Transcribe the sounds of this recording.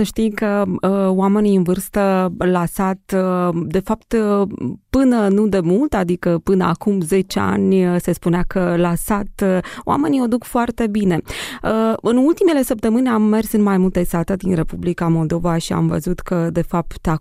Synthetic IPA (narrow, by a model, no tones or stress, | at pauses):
səʃt̪ijkəəoame̞nijɨnvɨrst̪əlasat̪d̪e̞fapt̪ | pɨnənud̪e̞mult̪ad̪ikəpɨnəakumze̞t͡ʃea̰nʲsespuneakəlasat̪oʔa̰me̞niod̪ukfoart̪e̞bine̞əɨnult̪ime̞le̞səp̚t̪əmɨnʲamːe̞rsɨnmajmult̪esat̪əd̪inɾe̞publikamo̞ld̪o̞vaʃia̰mvə̰zut̪kəd̪e̞fap̚t̪a